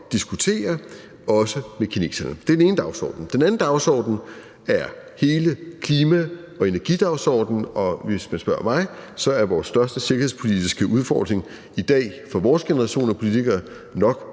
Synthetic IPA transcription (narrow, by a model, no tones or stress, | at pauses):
d̥isɡ̥ut͡sʰe̝̰ːɐ | ɒ̽səmekʰine̝̰ːsɐnəd̥eɐd̥ene̝ːnəd̥ɑ̈ʊsɒ̰ːd̥n̩d̥enæn̩d̥ɑ̈ʊsɒ̰ːd̥n̩ | æɐ | he̝ːləkʰliːmæ | ɒ̽e̝næɐɡ̥ḭd̥ɑ̈ʊsɒ̰ːd̥n̩ɒ̽ʋe̝smænsb̥ɶɐ̰mɑ̈ɪsɒ̽æɐʋɒːsːd̥ɶɐsd̥əse̝ɡ̥ɐheð̰ˠspʰo̝lid̥isɡ̥əʔuð̞ˠfɒ̰ːd̥ʁe̝ŋ | id̥ɛ̰ːfɒʋɒːsɡ̥e̝nəʁɑ̈ɕo̝̰ːnɒpʰo̝lit͡sʰiɡ̥ɐː | nɒ̽ɡ̥